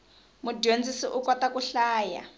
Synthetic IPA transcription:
mudend͡zisiʔukwatakuɬaːja̰

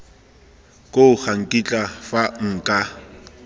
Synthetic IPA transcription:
kʼoʊχaŋ̩kʼit͡ɬʼafaŋ̩ːkʼa

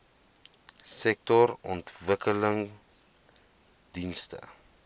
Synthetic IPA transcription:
sɛk̚tɔɾɔntvəkələŋ | dinstə̰

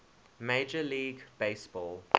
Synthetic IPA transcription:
meɪd͡ʒəliːɡb̥eɪsb̥ɔːl

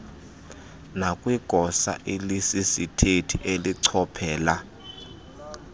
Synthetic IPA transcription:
nakʼwiɡ̥ʱɔsa̰ʔilisisitʰetʰiʔeliǀʰɔpʰɛːla

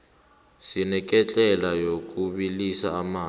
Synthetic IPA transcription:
sinɛk̬ʼɛt͡ɬʼɛlajok̬ʼuɓilisa̰ːmaː

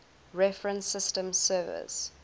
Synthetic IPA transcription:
ɹɛfɹə̃nsɪstə̃msɜːvɪ̰s

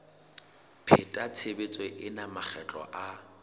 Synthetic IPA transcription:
pʰɪtʼat͡sʰebet͡sʼweʔɪnamaχʰɛt͡ɬʼɔ̰ʔa

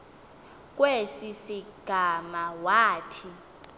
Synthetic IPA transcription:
k̬ʼwesisiɡ̥ʱamawaːtʰi

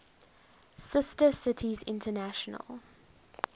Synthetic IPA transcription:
sɪstəsɪtʰizɪ̰̃ntənaʃənə̰lˠ

